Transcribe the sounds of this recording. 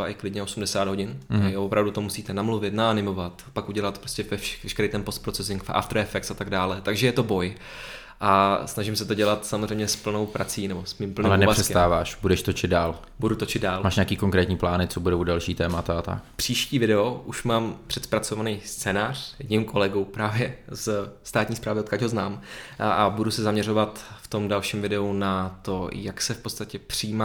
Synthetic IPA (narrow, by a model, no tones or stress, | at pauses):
baʔɪklɪdɲɛo̞sumdɛsaːd̪ɦɟɪnavopɾavdut̪o̞musiːt̪ɛnamluvɪt̪naanɪmo̞vat̪pakʔuɟɛlat̪pɾoscɛvɛ̥vɛʃkɛɾejt̪ɛmpo̞st̪̚pɾo̞t͡sɛsɪŋkfʔa̰ft̪ɾoɛfɛk̚tsat̪aɡdaːlɛt̪aɡʒɛjɛt̪o̞bo̞j | ʔasnaʒɪmsɛt̪o̞ɟɛlat̪samozrɛjmɲɛspl̩no̞wpɾat͡siːnɛbo̞smiːmpl̩nĩlɛnɛasɛskt̪aːvaːʃbudɛʃt̪ot͡ʃɪd̪̚daːl | budut̪ot͡ʃɪd̪daːlmaːʃɲeaːkiːkoŋkɾɛːt̪ɲiːplaːnɪt͡sobudowdalʃiːt̪ɛːmat̪aat̪a̰kpr̥iːʃciːvɪdɛo̞ʔuʃmaːmpr̥ɛt̪spɾat͡so̞vanijst͡sɛːnaːr̝̥jɛdɲimkʰo̞lɛɡuwpɾaːvjɛzst̪aːt̪ɲiːspɾaːvɪot̪̚kaɟɦoznaːmabudusɛzamɲɛɾo̞vat̪ft̪o̞mdalʃiːmvɪdɛunat̪o̞jaksɛfpot̪t͡st̪acɛpr̝̥iiːmaː